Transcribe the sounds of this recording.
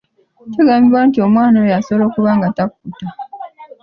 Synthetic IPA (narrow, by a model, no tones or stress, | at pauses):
ceɡaːmbiβwantio̞mwaːnowejasoβlo̞ːkuβaːŋɡatakuuta